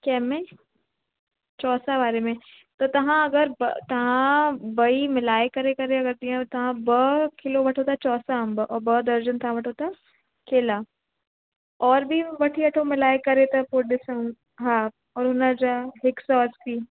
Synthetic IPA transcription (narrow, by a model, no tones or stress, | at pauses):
kɛːmẽ | t͡ɕɔːsaʋaːɾemẽ | t̪ɐt̪ɐʋ̤ãɐɡəɾbt̪ɐʋ̤ãbɐimɪlaːekɐɾekɐɾeɐɡəɾd̪iãt̪ɐʋ̤ãbɐkɪloʋɐʈʰot̪ʰat͡ɕɔːsaɐ̃mbɔːbɐd̪ɐɾd͡ʑənt̪ʰaãʋɐʈʰot̪ʰa | kʰeːlaː | ɔːɾbʱiʋɐʈʰiɐʈʰomɪlaːekɐɾet̪ɐpoɗɪsəũ | ɦaː | ɔːɾɦʊnəd͡ʑaɦɪksɔːspʰiː